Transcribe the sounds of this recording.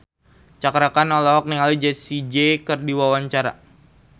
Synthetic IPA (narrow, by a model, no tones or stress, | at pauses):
t͡ʃakɾakanɔlɔɦɔk̚niŋalid͡ʒɛsid͡ʒekɨrdiwawaɲt͡ʃaɾa̰